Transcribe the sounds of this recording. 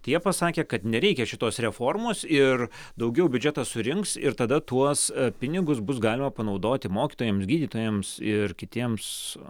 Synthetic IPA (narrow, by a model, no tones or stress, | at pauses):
t̪ɐɪjiɛpɐsɑːkʲeːkɐt̪nʲɛɾʲɛɪkʲɛʃʲɪt̪oːsrʲɛfoːrmoːsɪr | d̪ɐʊɡʲɛʊbʲʉd͡ʒʲɛt̪ɑsʊɾʲɪŋksɪɾt̪ɐd̪ɐt̪uɔspʲɪnʲɪɡʊsbʊsɡɑːlʲɪmɐpɐnɐʊd̪oːt̪ʲɪmoːkʲiːt̪oːjɛmsɡʲiːd̪ʲiːt̪oːjɛmsɪrkʲɪt̪ʲiɛms